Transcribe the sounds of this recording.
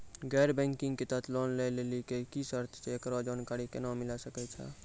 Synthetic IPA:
ɡɛɾbɛ̃ŋkiŋɡket̪ət̪lɔnlejlelikekisəɾt̪ʰt͡ʃeekɾɔd͡ʒankaɾikenamilasəkɛt͡ʃʰɛ̰

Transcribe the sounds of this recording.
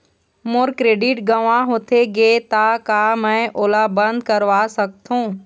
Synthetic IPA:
moɾkɾeːɖɪʈɡəʋãɦoːt̪ʰeɡeːt̪akamɛ̃ːʔoːlabə̃nd̪̚kəɾʋaːsɐk̚t̪ʰũː

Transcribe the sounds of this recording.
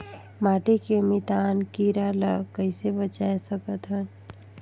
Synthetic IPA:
maːʈikemit̪aːnkiɾalakəɪsebət͡ʃaesəkət̪ɦən

